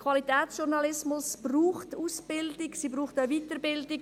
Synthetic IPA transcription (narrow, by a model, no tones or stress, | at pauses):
kʰvɑlitɛːtsʃʊɾnɑlɪsmʊsb̥ruːχtuːsb̥ɪldɪksiːbɾuːχtəviːtəɾbɪldɪk